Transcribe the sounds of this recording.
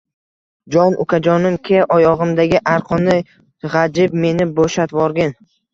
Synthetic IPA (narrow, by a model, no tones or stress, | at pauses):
d͡ʒɒnʔʊ̰kʲʰad͡ʒɒnɪmkʲʰeʔɒjɒʁɨmd̪aɡʲɪʔaɾqʰɒnɪ | ʁad͡ʒɪb̚me̞nɪboʃat̪vɒɾɡʲɪn